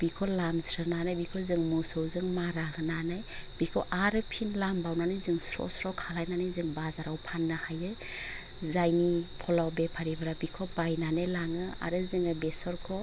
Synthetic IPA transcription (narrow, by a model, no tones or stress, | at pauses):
bikʰɔlamsɾɯnanajbikʰɔzɯŋmusɯwzɯŋmaɾaɡɯnanajb̥ikʰɔʔaɾɯpʰinlambawnanɯjzɯŋsɾɔ̰sɾɔkʰalajnanajzɯŋbazaɾawpʰanːɯhajɯ | zajnipʰɔlawbepʰaɾibaɾabikʰɔbajnanajlaŋɯa̰ɾɯzɯŋɯbesɔɾkʰɔ